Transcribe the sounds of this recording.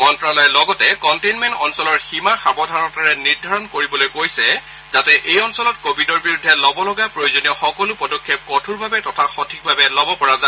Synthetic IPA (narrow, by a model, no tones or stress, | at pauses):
ɔntɹalɔjɛlɔɡɔtɛkɔntejnmɛntɔnsɔlɔɹximaxabɔdʱaɹɔtaɹɛniɹdʱaɹɔnkoɹibɔlojkojsɛ | zatɛʔejɔnsɔlɔtkobʱidɔɹbiɹudʱːɛlɔbɔlɔɡapɹojozonijɔxɔkɔlʊpɔdɔkʰːep̚kɔtʰuɹbʱabɛtɔtʰaxotʰik̚bʱabɛlɔbɔpɔɹaza